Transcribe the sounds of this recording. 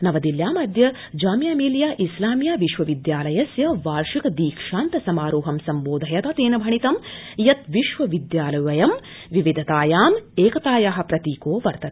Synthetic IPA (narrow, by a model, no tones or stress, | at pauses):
nɐʋɐd̪iljaːmɐd̪ʱjɐ | d͡ʒaːmjaːmiːljaːʔislaːmjaːʋiʃʋɐʋid̪jaːlɐjɐsjɐʋaːɾʂikɐd̪iːkʂaːnt̪ɐsɐmaːɾuːɦɐmsɐmboːd̪ʱɐjɐt̪ɐt̪eːnɐbʱɐɳit̪ɐmjɐt̪ʋiʃʋɐʋid̪jaːlɐʋɐjɐm | ʋiʋid̪ʱɐt̪aːjaːmeːkɐt̪aːjaɦɐ̆pɾɐt̪iːkoːʋɐɾt̪ɐt̪